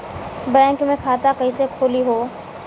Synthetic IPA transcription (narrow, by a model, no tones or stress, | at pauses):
bɛ̃ːŋkmẽkʰaːt̪akɐisekʰoːliɦoː